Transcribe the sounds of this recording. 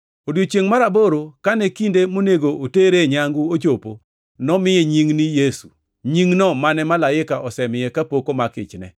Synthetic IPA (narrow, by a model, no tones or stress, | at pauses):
odot͡ʃjeŋmaɾaboɾokanɛkindemoneɡoʔoteɾeɲaŋɡuot͡ʃopo | nɔmɪjeɲiŋnijesu | ɲiŋnɔmanɛmalaɪkaʔɔsɛmɪjɛkapokomakɪ̰t͡ʃnɛ̰